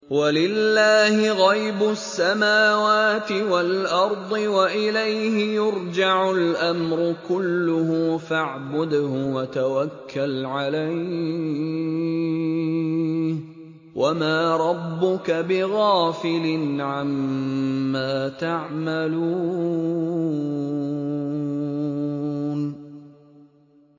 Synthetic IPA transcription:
walɪlːaːhɪɣɑjbʊsːamaːwaːt̪ɪwalʔɑɾˤd̪ˤɨwaʔɪlajhɪjʊɾd͡ʒaʕʊlʔamɾʊkʊlːʊhʊfaʕbʊd̪hʊwat̪awakʰːalʕalaj | h | wʔamaːɾˤɑbːʊkabɪɣaːfɪlɪnʕamː | aːt̪aʕmaluː | n

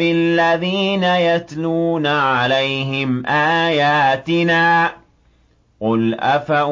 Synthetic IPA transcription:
ɪlːaðiːnajat̪luːnaʕalajɦɪmʔaːjaːt̪ɪnaː | qʊlʔafaʔ

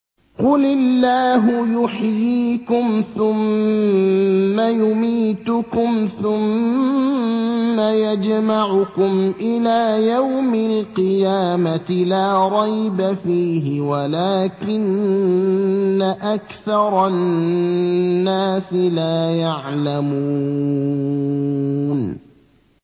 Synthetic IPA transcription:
qʊlɪlːaːɦʊjʊħjiːkʊmθʊm | ajʊmiːt̪ʊkʊmθʊm | ajad͡ʒmaʕʊkʊmʔɪlaːjawmɪlqɨjaːmat̪ɪlaːɾˤɑjbafiːɦɪwalaːkɪn | aʔakθɑɾˤɑ | aːsɪlaːjaʕlamu | n

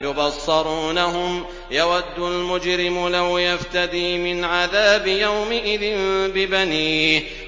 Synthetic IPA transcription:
jʊbɑsˤːɑɾˤuːnaɦʊm | jawad̪ːʊlmʊd͡ʒɾɪmlawjaft̪ad̪iːmɪnʕaðaːbɪjawmɪʔɪðɪnbɪbaniː

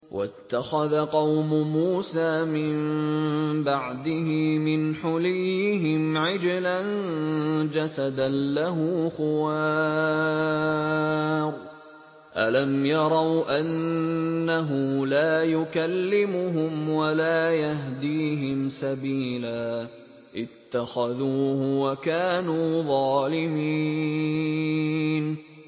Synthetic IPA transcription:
wʔa̰t̪ːaxaðaqɑwmʊmuːsaːmɪm | baʕd̪ɪhɪmɪnħʊlijɪɦɪmʕɪd͡ʒɪlan | d͡ʒasad̪anlaɦʊːxʊwaː | ɾˤ | ʔa̰lamjɑɾˤɑwʔanː | aɦʊlaːjʊkalːɪmʊɦʊmwalaːjaɦd̪iːɦɪmsabiːlaː | ʔɪt̪ːaxaðuːhʊwakaːnuːðˤɑːlɪmi | n

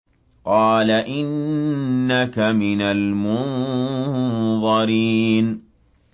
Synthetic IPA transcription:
qɑːlaʔɪnː | akamɪnalmʊn | ðˤɑɾiːn

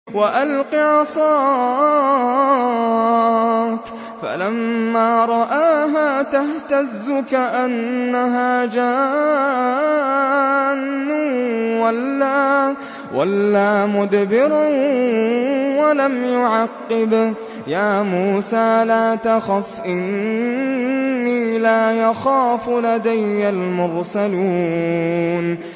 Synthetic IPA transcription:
waʔalqiʕɑsˤɑː | k | fa̰lamːaːɾˤɑʔaːɦaːt̪aht̪azːʊkaʔanːaɦaːd͡ʒaː | nːʊwalːaː | walːaːmʊd̪bɪɾ | walamjʊʕɑqːɪb | jaːmuːsaːlaːt̪axafʔɪn | iːlaːjaxaːflad̪ajːalmʊɾsaluː | n

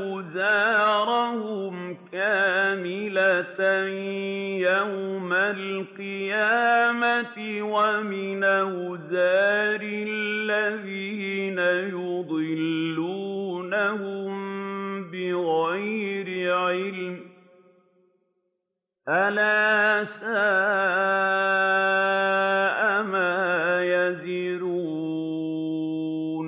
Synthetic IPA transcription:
ʊzaːɾˤahʊmkaːmɪlat̪ | jawmalqɨjaːmat̪ɪwamɪnawʊzaːɾɪlllːaðiːnajʊd̪ˤɨlːuːnahʊmbɪɣajɾɪʕɪlm | ʔalaːsa | ʔamaːjaziɾuː | n

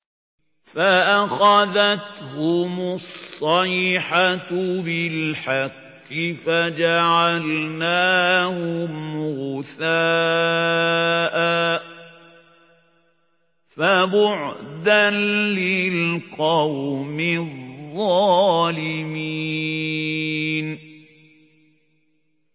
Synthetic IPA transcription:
faʔaxaðat̪hʊmʊssˤːɑiħabɪlħaqːɪfad͡ʒaʕalnaːhʊmʊɣʊθaː | ʔa | fabʊʕd̪anlɪlqɑwmɪððˤːɑːlɪmiː | n

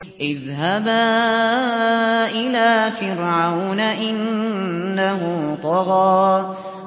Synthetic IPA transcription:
ʔɪðɦaba | ʔɪlaːfɪɾʕawnaʔɪnː | aɦʊt̪ˤɑɣɑː

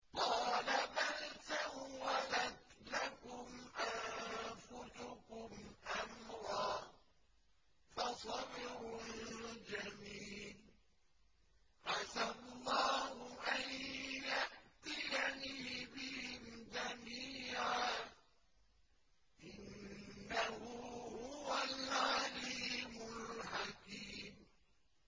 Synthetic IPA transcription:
qɑːlabalt̪awalad̪lakʊmʔanfʊsʊkʊmʔamɾˤɑː | fɑsˤɑbɪɾʊld͡ʒamiːl | ʕasallːɑːhʊʔanjaʔt̪ɪjaniːbɪhɪmd͡ʒamiːʕaː | ʔɪnː | ahʊhʊwalʕaliːmʊlħakiːm

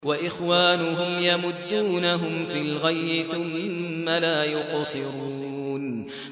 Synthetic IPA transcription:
waʔɪxwaːnʊɦʊmjamʊd̪ːuːnaɦʊmfilɣajbɪθʊmːalaːjʊqsˤɨɾuuːn

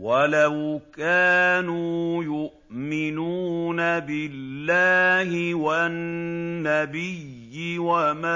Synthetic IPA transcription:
walawkaːnuːjʊʔmɪnuːnabɪlːaːhɪwaː | abɪjːɪwama

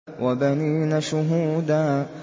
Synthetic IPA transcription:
wʔabaniːnaʃʊɦuːd̪aː

